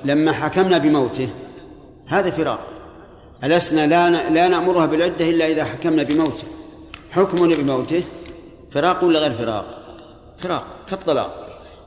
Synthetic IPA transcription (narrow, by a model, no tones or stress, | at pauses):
lamːaħakamnabɪmawt̪ɪh | haːðafɪɾɑ̰ːq | ʔalasnalaalanaʔmʊɾʊhabɪlʕɪd̪ːaʔɪlːaʔɪðaħakamnabɪmawt̪ɪh | ħʊkmʊnabɪmawt̪ɪh | fɪɾɑːqwɪlːaɣeːɾfɪɾɑ̰ːq̚ | fɪɾɑ̰ːq̚kɑt̪ˤːɑlɑ̰ːq̚